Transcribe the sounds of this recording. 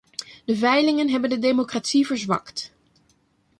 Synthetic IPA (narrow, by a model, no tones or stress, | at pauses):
dəvɛjlɪŋənɦɛbəndədemokratsivəɹzʋɑ̰kt